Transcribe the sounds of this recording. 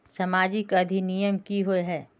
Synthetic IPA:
sɐmaːd͡ʒɪkɐd̪ʱinijəmkiɦoeɦɛː

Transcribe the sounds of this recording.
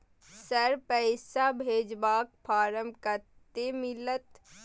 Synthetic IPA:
səɾpɛɪsabʱeːd͡ʒbaːk̚pʰaːɾəmkəɾtt̪emɪlət̪

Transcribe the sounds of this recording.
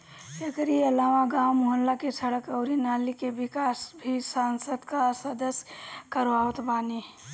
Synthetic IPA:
ekəɾiəlamaɡamɦonlakesʰəɽəkəʊɾinalikebikasbʱisansəd̪kasəd̪əsjkəɾʋaot̪bani

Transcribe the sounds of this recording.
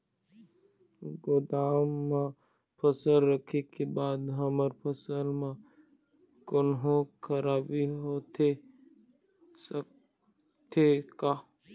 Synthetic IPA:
ɡod̪aːmːã | pʰəsəlɾəkʰekebaːd̪ɦəməɾpʰəsəlmã | kʊnɦõkʰəɾaːbiɦot̪ʰe | s | t̪ʰekaː

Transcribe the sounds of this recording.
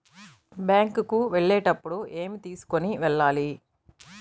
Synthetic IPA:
bjaːŋkukuʋeɭːɛːʈɐpːuɽuʔeːmit̪iːsu̥ko̞niʋɛɭːaːli

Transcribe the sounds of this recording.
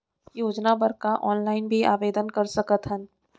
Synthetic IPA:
joːd͡ʒnabəɾkaʔɔːnlaːɪnbʱiʔaːʋeːd̪ənkɐɾsɐkət̪ɦən

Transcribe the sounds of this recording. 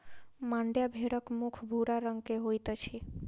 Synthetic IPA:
mãɳɖjabʱeɽəkmukʰbʱuɽaɾəŋɡkeɦojt̪ɔt͡ʃʰe

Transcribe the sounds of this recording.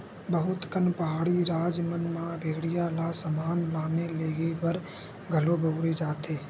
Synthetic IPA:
bəɦʊt̪kənpɐɦaːɽiɾaːd͡ʒmənmãbeːɡɽijalaːsəmaːnlaːneleːɡebəɾ | ɡʱəloːbʱəʊɾed͡ʒaːt̪eː

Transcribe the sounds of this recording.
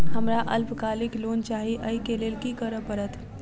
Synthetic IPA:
həmɾaʔəlpkaliklont͡ʃaɦiʔəikelelkikəɾəpəɾət̪ʰ

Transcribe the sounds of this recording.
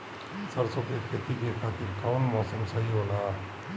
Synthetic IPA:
səɾsokekʰet̪ikekʰat̪iɾkʰawnmɔːsəmsəɦiɦola

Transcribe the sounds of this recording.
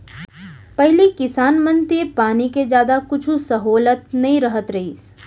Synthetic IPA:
pɐɦlikɪsaːnmə̃nt̪iepaːniked͡ʒjaːd̪akʊt͡ʃʰusɐɦoːlət̪̚nɐɦĩɾɐɦət̪ɾɐɦḭːs

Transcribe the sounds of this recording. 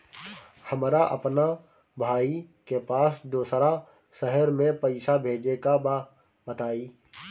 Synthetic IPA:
hɐmɾaʔɐ̰pna | bʱaːikepaːsd̪oːsɾa | sɛɦəɾmẽpɐɪsabʱeːd͡ʒeka | bət̪aːiː

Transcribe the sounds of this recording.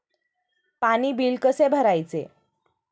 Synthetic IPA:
paniːbiːlkəsebʱəɾajt͡sḛ

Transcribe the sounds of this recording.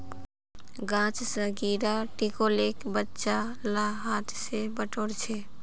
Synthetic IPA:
ɡãːt͡ʃsəɡiːɾaʈikoleːkbətːʃalaɦaːt̪ʰsebəʈoːɽt͡ʃʰe

